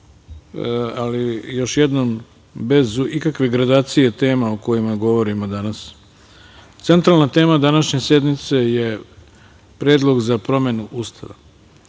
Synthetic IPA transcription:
alijo̞ʃjed̪nom | be̞zuʔikakʋe̞ɡɾad̪aːt̪sije̞t̪e̞ːmaoko̞jimaɡo̞ʋo̞ɾimo̞d̪anas | t̪se̞nt̪ɾalˠnat̪e̞ːmad̪anaʃɲe̞se̞d̪mit̪se̞je̞ | pɾeːd̪lˠo̞ɡzapɾo̞me̞nuʔust̪ʰa̰ʋa̰

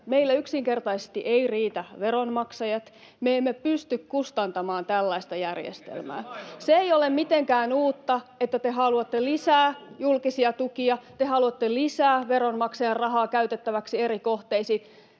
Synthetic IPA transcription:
meilːæyksiŋkert̪ɑisest̪iʔeiriːt̪æʋeɾonmɑksɑjɑt̪ | meemːepyst̪ykkust̪ɑnt̪ɑmɑːnt̪ælːɑist̪ɑjærjḛst̪ḛlmæ̰ːseeijolemmit̪eŋkæːnuːt̪ːɑet̪ːæt̪eɦɑluɑt̪ːelisæːjulkisiɑt̪ukiɑt̪ehɑluɑt̪ːelisæːʋeɾonmɑksɑjɑrrɑɦɑːkæyt̪et̪ːæʋæksieɾikoht̪eisiːt̪

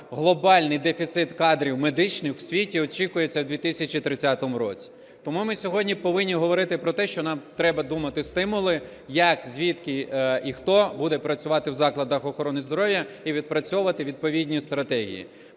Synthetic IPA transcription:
ɦlˠɔbɑlʲnɪjd̪efʲit̪sɪt̪kɑd̪ɾʲiwmed̪ɪt͡ʃnɪxw̥sʲʋʲitʲiɔt͡ʃikʊjet͡sʲːɐwd̪ʲʋʲit̪ɪsʲɐt͡ʃit̪ɾɪt͡sʲːat̪ɔmʊɾɔ̰t͡sʲi̥ | t̪ɔmumɪsʲɔɦɔdʲnʲipɔʋɪnʲːiɦɔʋɔɾɪt̪ɪpɾɔt̪ɛʃt͡ʃɔnɑmt̪ɾɛbɐd̪umɐt̪ɪst̪ɪmʊlˠɪ | jɐkzʲʋʲit̪kɪixt̪ɔbud̪ɛpɾɐt͡sʲʊʋɑt̪ɪwzɑklˠɐd̪ɐxɔxɔɾɔnɪzd̪ɔɾɔʋjɐiʋʲid̪̚pɾɐt͡sʲɔʋɐt̪ɪʋʲid̪̚pɔʋʲidʲnʲist̪ɾɐt̪ɛɦʲḭjḭ

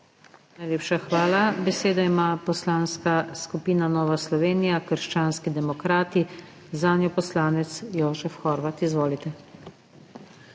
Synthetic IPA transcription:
najleːpʃaxʋaːlabɛseːd̪aimaːpɔslaːnskaskupiːnanɔːʋaslɔʋeːnijakəɾʃt͡ʃaːnskid̪ɛmɔkɾaːt̪i | zaːnjɔpɔslaːnɛt̪sjɔːʒɛfxɔːɾʋat̪izʋoːlit̪ɛ

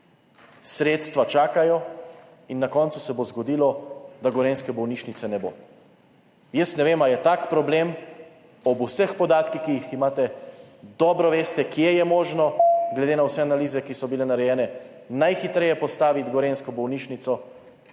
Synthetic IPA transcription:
sɾeːt̪st̪ʋat͡ʃaːkajɔ | inːakɔnt̪susɛbozɡɔd̪iːlɔd̪aɡɔɾeːnskɛbɔwniːʃnitsɛnɛboː | jəsnɛʋeːmaljɛt̪akpɾɔblem | ɔbusəxpɔd̪aːt̪kixkijiximaːt̪ɛd̪ɔːbɾɔʋeːst̪ɛkjejɛmoːʒnɔɡlɛd̪eːnawsɛanaliːzɛkisɔbilɛnaɾɛjɛːnɛ | najxit̪ɾɛjɛpɔst̪aːʋit̪ɡɔɾenskɔbɔwniːt͡ʃnit̪sɔ

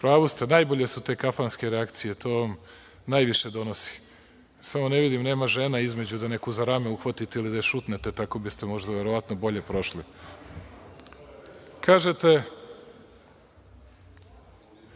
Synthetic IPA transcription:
pɾaːʋost̪enajboʎe̞sut̪e̞ːkafanske̞ɾeakt̪sijet̪ʰo̞ʋam | naːjʋiʃe̞d̪o̞nosi̥ | samo̞ne̞ʋid̪imne̞ːmaʒe̞naizme̞d͡ʑud̪ane̞kuzaɾameuxʋat̪it̪eilid̪aeʃut̪net̪e̞t̪ako̞bist̪e̞mo̞ʒd̪aʋe̞ɾo̞ʋat̪nobo̞ʎe̞pɾo̞ʃli | kʰaːʒet̪e̞

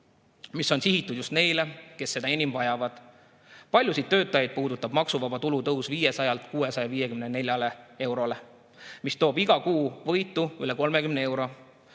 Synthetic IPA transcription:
misːo̞nsiɦit̪ːˑud̪̥just̪ne̞jle̞ke̞sːe̞d̪ɑenʲimvɑjɑvɑd̪̥ | pɑlʲjusid̪t̪ːø̞ːt̪ːˑɑjɑjd̪̥̚puːd̪ut̪ːˑɑb̥mɑksuvɑbɑt̪ulut̪ɤusviːje̞sɑjɑlt̪ˑkuːe̞sɑjɑviːje̞kymnene̞lʲjɑle̞e̞wɾo̞le̞ | mist̪o̞ːbiɡ̥ɑkuːvɤ̞jt̪ːˑuyle̞ko̞lme̞kymnee̞wɾo̞

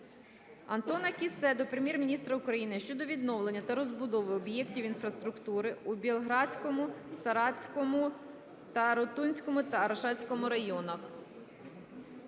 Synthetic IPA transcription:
ɐnt̪ɔnɐkʲisɛd̪ɔpɾemʲjɛrmʲinʲist̪ɾɐʊkɾɐjinɪʃt͡ʃɔd̪ɔʋʲid̪nɔwlˠe̞nʲːɐt̪ɐɾɔzbʊd̪ɔʋɪɔbjɛktʲiwinfɾɐst̪ɾʊkt̪uɾɪubʲilˠɦɾɑt͡sʲkɔmʊsɐɾɑt͡sʲkɔmʊ | t̪ɐɾɔt̪unʲsʲkɔmʊt̪ɐːɾɐʃɑt͡sʲsʲkɔmʊɾɐjɔnɐx

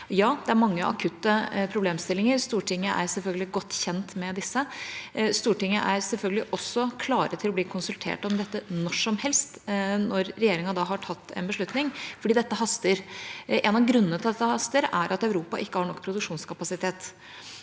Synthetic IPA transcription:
jɑːd̪̥ɛæɾmɑŋːəʔɑ̰kʰʉt̪ːəpʰɾʊbleːmst̪ɪlːɪŋəɾst̪uːʈʰɪŋːəʔæ̰ɾsɛlfœlɡəlɪɡɔt̪ːçɛnt̪mɛd̪ɪsːə | st̪uːʈɪŋːəʔæɾsɛlfœlɡəlɪʔɔsːɔkʰlɑːɾət̪ʰɪlɔb̪iːkʰʊnsʉlt̪ʰḛːʈɔmd̪ɛt̪ːənɔʂɔmhɛlst̪nɔɾːɛjeːɾɪŋɑd̪ɑɦɑʈʰɑt̪ːɛ̰nbəʂɭʉt̪nɪŋfɔɖiːd̪ɛt̪ːəɦɑst̪əɾʔeːnɑʋɡɾʉnːənət̪ɪlɛt̪ːəhɑst̪əɾæɾʔɑt̪œʉɾuːpɑ̰ʔɪkːəhɑːɳɔkːpʰɾʊd̪ʉkʂuːnskʰɑpɑsɪt̪ʰeːt̪

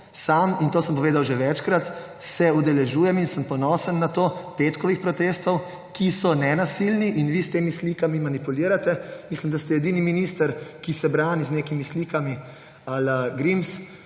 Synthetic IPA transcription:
samint̪oːsəmpɔʋeːd̪awʒɛʋɛt͡ʃkɾat̪ | sɛud̪ɛlɛʒuːjɛminsəmpɔnɔːsənːat̪oːpet̪kɔʋixpɾɔt̪eːst̪ɔw | kisɔnɛnasilniʔinʋist̪eːmisliːkamimanipuliːɾat̪ɛmislimd̪ast̪ɛɛd̪iːniminist̪əɾkisɛbɾaːniznekimisliːkami | aləɡɾims

